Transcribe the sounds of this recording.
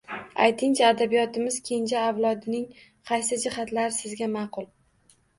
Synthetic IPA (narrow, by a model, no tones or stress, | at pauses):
a̰jt̪ʰɪŋt͡ʃʰaːd̪abijɒt̪ʰɪmɪz̥kʲʰe̞nd͡ʒaːwlˠɒd̪ɪnɪŋ | qʰɑjsɪd͡ʒɪhat̪laɾɪsɪzɡʲamɑqʰʊlˠ